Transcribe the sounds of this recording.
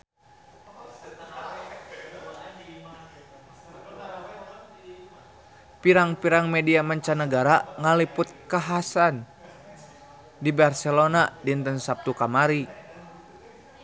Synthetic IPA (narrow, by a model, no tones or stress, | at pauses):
piɾaŋpiɾaŋmɛdiamaɲt͡ʃanəɡaɾaŋalipʊt̪̚kaɦasan | dibarsɛlonadiənt̪ənsap̚t̪ukamaɾi